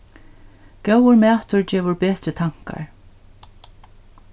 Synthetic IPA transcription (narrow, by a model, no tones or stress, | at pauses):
kɛwəɹmæːt̪ʊɹt͡ɕɛːvʊɹpeːt̪ɾɪt̪ʰaŋ̥ka̰ɹ